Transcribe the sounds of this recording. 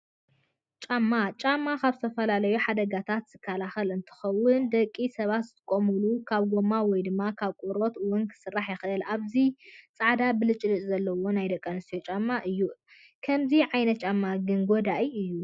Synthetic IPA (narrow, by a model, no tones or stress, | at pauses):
t͡ʃʼamːat͡ʃʼamːakaβzɨt̪ʰɐfɐlalɐjuħad̪ɐɡat̪ʰat̪z̥ɨkʰːalaxɐlɨnt̪ʰɨ̥xɐwʊnd̪ɐkʼːisɐβat̪z̥ɨt̪ʰɨ̥kʼomɨlukʰaβɡomːawɔjd̪ɨmːakʰaβkʼuɾo̞t̪ɨwʊnkʰɨ̥sɨrːaħjɛxʔɨlʔaβzit͡sʼaʕd̪abɨlɨt͡ʃʼlɨt͡ʃʼzɐlːɐwo̞najd̪ɐkʼːɐnɨst̪jot͡ʃʼamːaʔɨjːu | kʰɐmziʕajnɐt̪̚t͡ʃʼamːaɡɨnɡod̪aʔiɨjːu